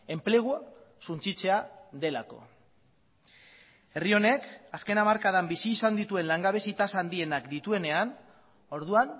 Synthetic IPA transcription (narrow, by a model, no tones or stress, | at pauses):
e̞mple̞ɣ̞uasunt͡sit͡se̞aðe̞lako̞̰ | e̞rio̞ne̞kaske̞namaɾkaðambisiːsand̪it̪ue̞nlaŋɡaβe̞sit̪asand̪ie̞nakd̪it̪ue̞ne̞an | o̞ɾð̞uan